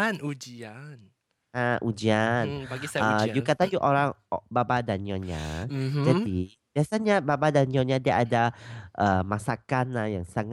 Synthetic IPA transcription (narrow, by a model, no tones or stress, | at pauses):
nud͡ʒian | aʔud͡ʒianaɡisəjukat̪ajuʔoɾaŋbabadaniɔ̃ɲa̰d͡ʒadi | b̥iasaɲababadaniɔ̃ɲadiaʔadaʔəmasakanːajaŋsaŋ